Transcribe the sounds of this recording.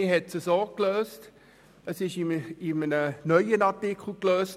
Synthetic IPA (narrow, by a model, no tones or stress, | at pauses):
iɦɛtsəsɔːkløːst | əsɪʃɪɪmənənœʏənɑtɪkʰl̩kløːst